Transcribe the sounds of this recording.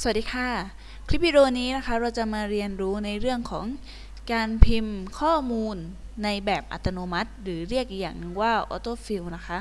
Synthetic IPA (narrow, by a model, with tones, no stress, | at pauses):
sa˨˩diː˧kʰaː˥˩ | kʰɾi˦˥p̚ʰːi˧ɾoː˧niː˦˥na˦˥kʰa˦˥ɾa˧wt͡ɕa˨˩maː˧ɾi˧ənɾuː˦˥na˧jɾɯ˥˩əŋkʰɔː˩˦ŋ | kaː˧npʰi˧mkʰɔː˥˩muː˧nː | a˧jbɛː˨˩p̚ʔa̰˨t̪ːa˧noː˧ma˦˥t̪̚ɾɯː˩˦ɾi˥˩ək̚ja̰ː˨˩ŋ˨waː˥˩ʔɔ̰ː˧˦t̪oː˥˩fi˧wna˦˥kʰa˦˥